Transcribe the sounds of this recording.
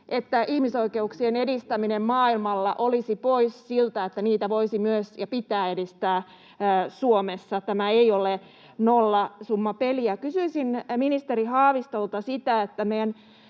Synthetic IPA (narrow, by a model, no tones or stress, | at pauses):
ʔet̪ːæʔihmisoikeuksienedist̪æminemmɑːilmɑlːɑʔolisipoisːilt̪æet̪ːæniːt̪æʋoisimyøsjɑpit̪æːedist̪æː | suomesːɑt̪æmæeiole | nolːɑsumːɑpeliækysyisinminist̪eɾihɑːʋist̪olt̪ɑsit̪æet̪ːæmejæn